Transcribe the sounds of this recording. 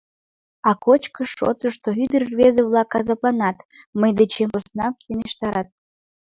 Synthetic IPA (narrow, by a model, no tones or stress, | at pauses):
ɑkot͡ɕkəʃo̰t̪əʃt̪oyd̪ərvezəβlˠɑkːɑzɑplˠɑnɑt̪məjd̪et͡ɕempəsnɑkeneʃt̪ɑɾɑt̪̚